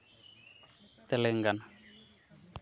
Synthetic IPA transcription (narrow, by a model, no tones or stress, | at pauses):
t̪ɛlɛŋɡana